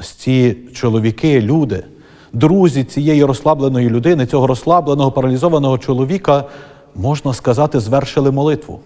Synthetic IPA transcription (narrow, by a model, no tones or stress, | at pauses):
sʲt͡sʲit͡ʃɔlˠɔʋʲikɪlʲud̪ɪ | d̪ɾuzʲit͡sʲijɛjiɾɔslˠɑblˠe̞nɔjilʲʊd̪ɪnɪt͡sʲɔɦɔɾɔslˠɑblˠenɔɦɔpɐɾɐlʲizɔʋɐnɔɦɔt͡ʃɔlˠɔʋʲikɐ | mɔʒnɐskɐzɑt̪ɪzʋɛrʃɪlˠɪmɔlˠɪt̪ʋʊ̰